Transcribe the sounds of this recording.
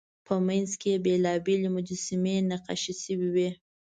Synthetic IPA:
pəmanzkebelɑbelemʊd͡ʒasɪmenaqɑ̰ʃisəwiwi

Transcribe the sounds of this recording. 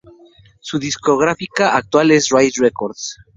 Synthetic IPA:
suðiskoɣ̞ɾafikaʔak̚t̪walesrajsrekoɾðs

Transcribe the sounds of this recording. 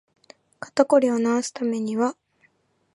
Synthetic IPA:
kḁt̪ako̞ɾʲio̞naosɨ̥t̪ame̞ɲ̟iβa

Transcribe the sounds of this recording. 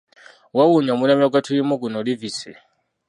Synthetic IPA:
wawuɲamunamakatʰujimɔk̬unɔlivisɛ

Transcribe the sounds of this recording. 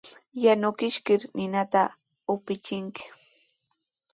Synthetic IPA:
janʊkɪʃkɪɾnɪnat̪a | ʊpɪt͡ʃɪŋkɪ̥

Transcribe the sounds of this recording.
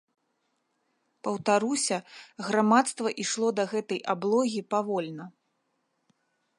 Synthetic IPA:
pɐwt̪aɾusʲɐɣɾamat̪st̪vɐʔiʂlˠɔd̪ɐɣɛt̪ɐjablˠɔɣʲipavɔlʲnɐ

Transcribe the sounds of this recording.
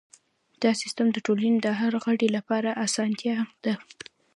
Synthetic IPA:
d̪̥ɑsɪst̪amd̪əʈolaned̪əɦaɾɣəɖelapɑɾaʔasɑnt̪jɑhamd̪̥a

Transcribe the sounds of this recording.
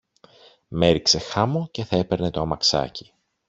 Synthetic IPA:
me̞ɾikse̞xɐmo̞ce̞θɐe̞pe̞ɾne̞t̪oɐmɐksɐ̰ci̥

